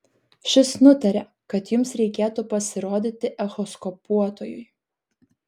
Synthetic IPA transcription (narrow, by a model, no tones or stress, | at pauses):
ʃʲɪsnʊt̪ɐɾʲɛ | kɐt̪jʊmsɾʲɛɪkʲeːt̪upɐsʲɪɾoːd̪ʲɪt̪ʲɪʔɛxɔskɔpuɔt̪oːjʊj